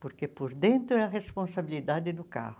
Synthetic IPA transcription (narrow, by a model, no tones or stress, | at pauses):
poɾkepoɾd̪ẽnt̪ɾʊɛɐʁespõsabilid̪ad̪ɪd̪ʊka̰hʊ